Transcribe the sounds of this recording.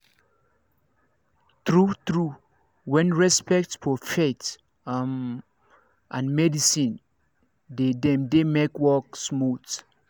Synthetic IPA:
tɹutɹu | wɛ̃nɹɛspɛk̚tfɔfet | ʔãnmɛdisĩn | dedɛ̃mdemekwɔksmut

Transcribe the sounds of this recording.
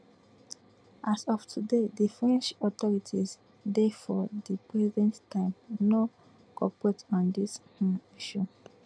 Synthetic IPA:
ʔasɔftʰudedifɹɛ̃nt͡ʃɔt̪ɔɹitʰiz | defɔdipɹɛzɛ̃nttʰãɪ̃mno | kɔpɹetɔ̃ndishũiʃu

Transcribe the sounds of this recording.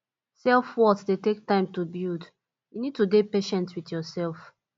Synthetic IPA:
sɛlfwɔsdetek̚tãɪ̃mtubild | junid̚tudepeʃɛ̃ntwitjɔsɛlˠf

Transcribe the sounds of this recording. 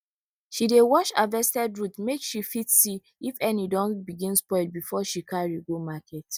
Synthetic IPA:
ʃidewɔʃavɛstɛdɹutmekʃifitsi | ifɛnidɔ̃nbiɡĩnspɔɪlbifɔʃikʰaɹiɡomakɛt

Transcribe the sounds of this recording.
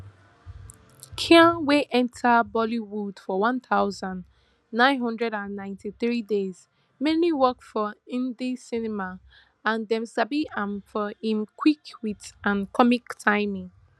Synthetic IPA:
kʰiãnweʔɛ̃ntʰəbɔliwud̥fɔwʌ̃nθaʊzə̃nd | nãɪ̃nɦʌ̃ndɹɛɾãnːãɪ̃ntiθɹidez̥ | mɛ̃nliwɜkfɔĩndisinɪma | ãnðɛ̃msabiãnfɔĩmkʰwikwiðãnkʰɔmiktʰãɪmĩŋ

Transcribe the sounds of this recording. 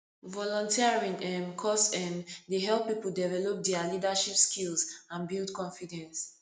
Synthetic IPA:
vɔlɔ̃ntʰiaɹĩŋɛ̃mkʰɔsɛ̃ndeɦɛlˠppːipl̩dɛvɛlɔp̚dɛalidaʃipskʰilsãnbilˠdkɔ̃ɱfidɛ̃ns

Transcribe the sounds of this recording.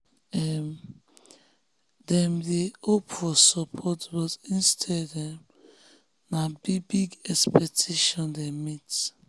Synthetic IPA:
ɛm | dɛ̃mdeopfɔsɔpʰɔtbɔtĩnstʰɛdɛ̃m | nabibiɡɛkspɛk̚tʰeʃɔ̃ndɛmit

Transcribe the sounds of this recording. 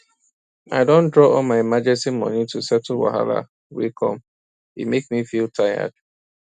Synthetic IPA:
a̰ɪdõndɹɔɔlmaɪmad͡ʒɛ̃nsimɔ̰̃nĩtusɛtl̩wa̰ɦa̰la̰ | wḭkʰɔ̰̃m | ḭmeksmifiltʰajə̰d̥̚

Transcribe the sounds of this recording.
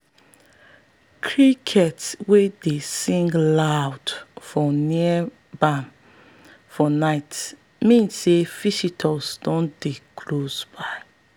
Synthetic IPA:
kʰɹikʰɛtswedesĩŋɡlawdfɔni | bãn | fɔnaɪt | mĩnsefisitʰɔsdɔ̃ndekʰlosbaɪ

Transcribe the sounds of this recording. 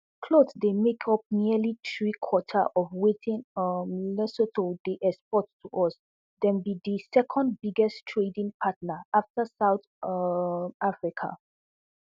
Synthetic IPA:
kʰlodsdemekʰɔp̚niəlitɹikʰwɔtʰə̰ʔɔvwetʰĩnɔmilɛsotʰodeʔɛspɔttʰːuʔɔs | dɛ̃nbid̪isɛkʰɔ̃nd̚biɡɛstʰɹedĩŋpʰatnəaftəsaʊt | afɹikʰa̰

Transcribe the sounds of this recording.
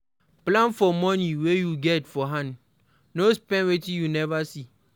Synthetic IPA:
plãnfɔmɔniwejuɡɛtfɔɦãn | nospɛ̃nwetĩjunɛvasi

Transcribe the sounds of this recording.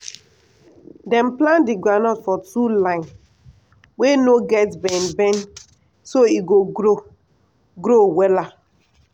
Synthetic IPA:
dɛ̃mplãndiɡʷanɔtfɔtulãɪn | wenoɡɛtbɛ̃nbɛ̃n | soiɡoɡɾo | ɡɾowɛla

